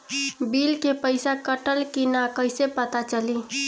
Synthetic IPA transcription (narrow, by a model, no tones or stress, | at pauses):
bilkepəɪsakəʈəlkinakəjsepət̪at͡ʃəli